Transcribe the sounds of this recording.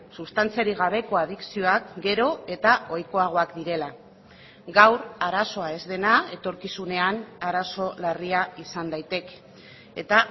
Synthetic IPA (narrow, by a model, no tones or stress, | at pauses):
sust̪ant͡siaɾiɣ̞aβ̞e̞ko̞að̞iksio̞akɡe̞ɾo̞e̞t̪ao̞jko̞aɣ̞o̞akd̪iɾe̞la | ɡawɾaɾaso̞ae̞zðe̞nae̞t̪o̞ɾkisune̞anaɾaso̞lariaisand̪ajt̪e̞k | e̞t̪a